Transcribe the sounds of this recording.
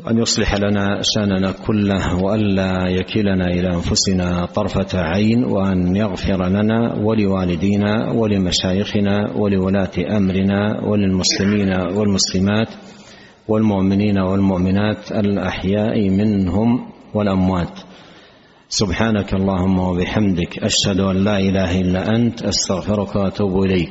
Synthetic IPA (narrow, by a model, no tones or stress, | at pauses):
ʔa̰njʊsˤlɪħalanaːʃaʔnanakʰʊlːahwaʔanlaːjakɪlanaːʔɪlaːʔanfʊsɪnat̪ˤɑɾˤfaʕajnwa̰ʔanjaɣfɪɾalana̰ːwalɪwaːlɪd̪iːnawalɪmaʃaːjɪxɪnaːwalɪwalaːt̪ʔamɾɪnaːwa̰lɪlmʊslɪmiːnawalmʊslɪmaːt̪ | walmʊʔmɪniːnawalmʊʔmɪnaːt̪alʔaħjaːʔmɪnɦʊmwalʔamwaːt̪ | sʊbħaːnakʔɑlˤːɑːhʊmːawabɪħamd̪ɪkʔaʃhad̪ʊʔanlaːʔɪlaːɦaʔɪlːaːʔant̪ʔast̪aɣfɪɾʊkwaʔat̪uːbʔɪlajk